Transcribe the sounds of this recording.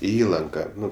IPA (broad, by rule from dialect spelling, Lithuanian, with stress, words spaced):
ɪ ˈiːlˠɐŋkɐ ˈnʊ